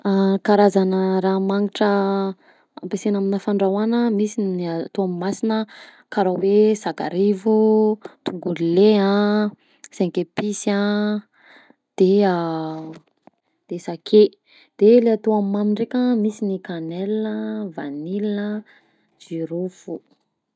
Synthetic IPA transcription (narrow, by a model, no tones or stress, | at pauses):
akaɾazanəɾamaŋiʈ͡ʂə | a̰mpesenaminəfaɳɖ͡ʐawanəmisiniat̪oamimasinə | kaɾawesaka̰ɾivut̪uŋɡulileã | seŋkepisa | d̪̥ea | d̪̥esakʰe | d̪̥eleat̪uamimamiɳrekʲamisinikanɛlnəvanilinə | d͡ʒiɾufu